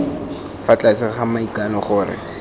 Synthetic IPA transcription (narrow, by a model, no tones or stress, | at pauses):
fat͡ɬʼasɪχamaikanɔχʊːrɪ̰